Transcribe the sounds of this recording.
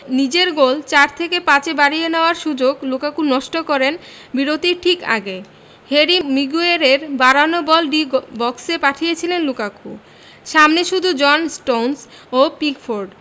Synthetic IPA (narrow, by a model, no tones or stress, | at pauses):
nid͡ʑeɾɡolt͡ɕaɾt̪ʰekepãt͡ɕebaɽijeneoaɾʃud͡ʑoɡlukakuɾnɔʃʈokɔɾen | biɾot̪iɾʈʰika̰ɡe | heɾimiɡueɾeɾbaɾanobɔlɖibɔksepaʈʰijet͡ɕʰilenlukakṵ | ʃamneʃud̪ʱud͡ʑɔnsʈowns | opiɡfoɾɖ